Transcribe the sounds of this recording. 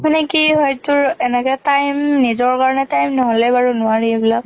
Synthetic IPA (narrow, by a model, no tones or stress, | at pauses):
manekiɦɔjtʊɹɛnɛkɛtajmnizɔɹkaɹɔnɛtajmnɔɦolɛbaɹunʊaɹiebilak̚